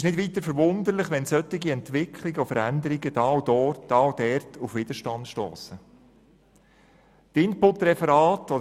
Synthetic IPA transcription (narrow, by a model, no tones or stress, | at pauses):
ɪʃnɪdʋiːt̪əɾfəɾʋʊnd̪əɾlɪχʋɛnsœtːɪɡiɛnt̪ʋɪkʰlɪɡəɔfəɾænd̪əɾiɡəd̥ɑwdɔːdɑwdɛɾtʰufʋɪd̥̪əʃtɑndʃto̰ːsə | tɪnpʊtɾɛfəɾɑːtɔdə